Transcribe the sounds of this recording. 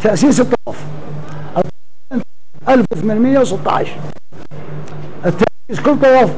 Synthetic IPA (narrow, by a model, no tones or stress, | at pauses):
t̪ʰːaʔsiːs̬ɨt̪ˤːɑɑf | ʔɑt̪ˤː | ʔalfwɪθmanmɪjːawsɨt̪ˤːɑ̰ʕ̰ʃɾ | ʔɪt̪ːa | iskʊlːt̪ˤːɑwˤɑf